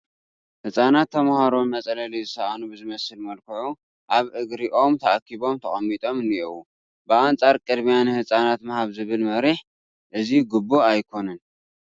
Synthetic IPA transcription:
hɨsʼanat̪ʰːɐmhaɾonmɐt͡sʼɐlɐlizɨsɐʔanubɨzɨmɐsɨlmɐlkʰɐʕu | ʔaβʔɨɡɾiʔo̞mt̪ʰɐʔakʰːiβo̞mt̪ʰɐχʼɐmːit̪ʼo̞mɨniʔu | bɨant͡sʼaɾkʼɨd̪mijanɨhɨsʼanat̪mɐhaβzɨβɨlmɐɾiħ | ʔɨziɡɨbːuajkʰo̞nɨn

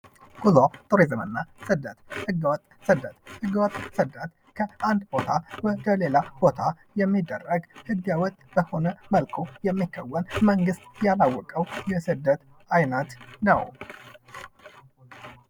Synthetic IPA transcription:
ɡ̥uzat̪ʼoɾezɨmɨnːasɨd̪ːət̪hɨɡːəwɔt̪ʼsɨd̪ːət̪hɨɡːəwɔt̪ʼsɨd̪ːət̪ | kʰəʔand̪bot̪ʰabəd̪əle̞lab̥o̞t̪ʰa | jɛmːid̪ːərːəɡhɨɡːjawɔt̪ʼːbəho̞nəməlkʰojɛmːikʰːawːənməŋɡɨst̪jalawːɔkʼəwjɛsɨd̪ːət̪ | ajnət̪nə̰w

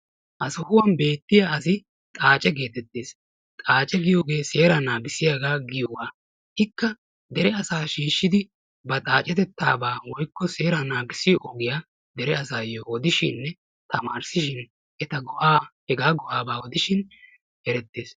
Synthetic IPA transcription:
ʔɐsɔhʊwɐnbe̞ːt̪ːɪjaɐs̬ɪ | t̪ʼaːt͡ʃʼɛɡe̞ːt̪ɛt̪ːeːs | t̪ʼaːt͡ʃʼɛɡɪjo̞ːɡe̞ːse̞ːɾɐnaːɡɪsɪjaːɡaːɡɪjɔwaː | hɪkːɐ | d̪ɛɾɛɐsaːʃiːʃːɪd̪ɪ | bɐt̪ʼaːt͡ʃʼɛt̪ɛt̪ʰːa̰ːbaːwɔjkːɔse̞ːɾɐnaːɡɪsɪʔɔɡɪjaː | d̪ɛɾɛɐsaːjowɔd̪ɪʃɪnːɛ | t̪ɐmaːɾsɪʃɪn | ʔɛt̪ɐɡɔʔaːhɛɡaːɡɔʔaːbaːwɔd̪ɪʃɪn | hɛɾɛt̪ːeːs

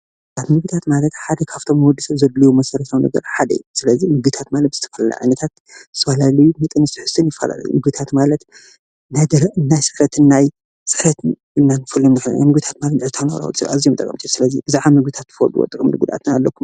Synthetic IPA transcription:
at̪mɨɡɨt̪ʰat̪malɐt̪ħad̪ɐkʰaft̪ʰo̞mwɔd̪ːisɐβzɐd̪lijumɐsɐɾɐsawnɐ̰ɡɐ̰ɾħad̪ɐ̰jusɨlɐzimɨɡɨt̪ʰat̪malɐt̪̚z̥ɨt̪ʰɐfɐlɐla̰ʕa̰jnɐt̪ʰat̪ | zɨ̥t̪ʰɐfɐlalɐjumɨt̪ʼɨnɨst̪ʰiħɨ̥st̪ʰɨnjɪfːɐ̰la̰l̰j̰mɨɡɨt̪ʰat̪malɐt̪ | nad̪ɨnːajsɨɾɐt̪ʰɨnːaj | sɨħɾɐt̪ | ɨnːanfɨlːomnɨfɨl̰na̰jmɨɡbɨt̪ʰḁt̪malɐt̪nɨʕɨt̪ʰanɐɾa̰w̰t͡sʼɨβazijomt̪ʼɐkʼɐmt̪ʰisɨlɐzibɨzaʕamɨɡbɨt̪ʰat̪ːɨfod̪uwo̰t̪ʼɨkʼmnɨɡud̪ʔa̰t̪ʰɨnalːɐkːum

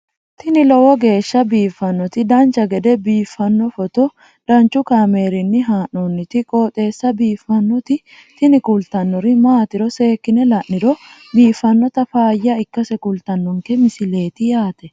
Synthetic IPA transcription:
t̪ɪnɪlɔwɔɡe̞ːʃːɐbiːfːɐnːɔt̪ɪd̪ɐnt͡ʃɐɡɛd̪ɛbiːfːɐnːɔfɔt̪ɔ | d̪̥ɐnt͡ʃʊkame̞ːɾɪnːɪɦaːnɔnːɪt̪ɪkʼoːt̪ʼe̞ːsːɐbiːfːɐnːɔt̪ɪ | t̪ɪnɪkʊlt̪ɐnːɔɾɪmaːt̪ɪɾɔse̞ːkːɪnɛlɐʔːɪɾɔbiːfːɐnːɔt̪ɐfaːjːɐɪkːɐsɛkʊlt̪ɐnːɔŋkɛmɪsɪle̞ːt̪ɪjaːt̪ɛ

